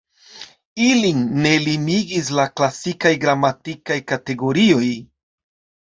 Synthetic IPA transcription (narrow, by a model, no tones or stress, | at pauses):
ilinːe̞limiɡis̬laklasikajɡɾamatikajkate̞ɡo̞ɾio̞j